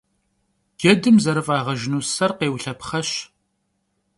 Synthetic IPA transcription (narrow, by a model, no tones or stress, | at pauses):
ɡ̥ɛdɨmzɐɾɨfʼaːʁɐʒɪnuːsɐrqeːwɬɐpχɐɕ